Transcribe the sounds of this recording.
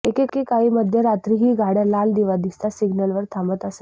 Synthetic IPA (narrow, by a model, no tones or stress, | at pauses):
ekekːekaɦiːməd̪ʱjəɾat̪ɾiɦiːɡʱaɽjalald̪iʋad̪ist̪asiɡnəlʋəɾt̪ʰãmbət̪əse